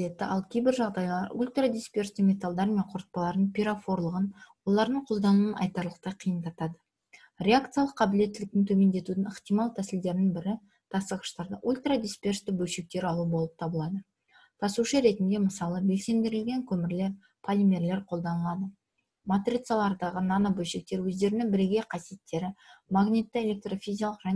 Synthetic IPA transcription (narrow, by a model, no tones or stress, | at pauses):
et̪ːɪ̰ʔɑlˠkʲʰejbɪɾʒɑʁd̪ɑjlˠɑɾulʲt̪rad̪ʲispʲerst̪ɪmʲe̞t̪alˠd̪ɑɾmeɴqʰʊɾət̪̚pɑlˠɑɾd̪əɴpʲiɾafo̞ɾlˠəʁənwo̞lˠɑɾd̪əɴqʰo̞lˠd̪ɑnuwənʔɑ̰jt̪ɑɾlˠəq̚t̪ɑjqʰijənt̪ɑt̪ɑd̪ə | ɾʲe̞akt̪sɨjalˠəqːʰɑbɪle̞t̪ːɪlɪk̚t̪ɪŋt̪ʰɵme̞nd̪e̞t̪ud̪ɪnəχt̪ijmɑlˠt̪ʰæsɪld̪e̞ɾɪnɪŋbɪɾɪ | t̪ʰɑsəʁəʃt̪ɑɾd̪əʔulʲt̪rad̪ʲispʲe̞rst̪ɪbɵlʃe̞k̚t̪e̞ɾɑlˠuəbo̞lˠəp̚t̪ʰɑbəlˠɑd̪ə | t̪ʰɑsuʃəɾe̞t̪ɪnd̪e̞məsɑlˠəbe̞lse̞md̪e̞ɾɪlɡʲe̞ŋkʲʰɵmɪɾle̞ɾ | pʰalʲimʲe̞ɾle̞ɾqʰo̞lˠd̪ɑnəlˠɑd̪ə | mat̪rʲit̪salˠɑɾd̪ɑʁənɑnabɵlʃek̚t̪e̞ɾwɵzd̪e̞ɾɪnɪŋbɪɾɡʲe̞qʰɑsije̞t̪ːe̞ɾɪmaɡnʲit̪ːɪelʲe̞k̚t̪ro̞fizialˠəqra